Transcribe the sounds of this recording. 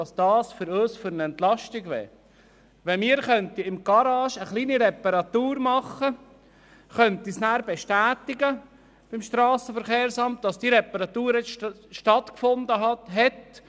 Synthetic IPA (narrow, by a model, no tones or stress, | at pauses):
ɑsd̥ɑːsfʏɾøːsfʏɾnəɛnt̪lɑʃtɪɡʋɛ̰ː | ʋɛnmiːɾχœnt̪iɪmɡ̥ɑɾɑːʃəχliːniɾɛpɑɾɑt̪uːɾmɑχə | χœnt̪isnæːɾbɛʃtæːt̪ɪɡə | b̥ɪmʃtɾɑːsəfəɾχeːɾsɑmt̚d̥ɑsd̥iɾɛpɑɾɑt̪uːɾɛt͡s | ʃtɑt̪kfond̪əɦɑtɦɛt